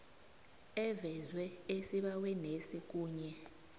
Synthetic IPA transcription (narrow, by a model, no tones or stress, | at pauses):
ɛvɛzwɛesiɓawɛnesik̬ʼuːɲɛ